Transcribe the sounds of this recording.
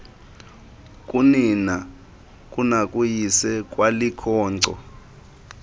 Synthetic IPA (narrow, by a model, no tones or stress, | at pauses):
kʼunina | kʼunakʼujisɛkʼwalikʰɔːǀɔ̰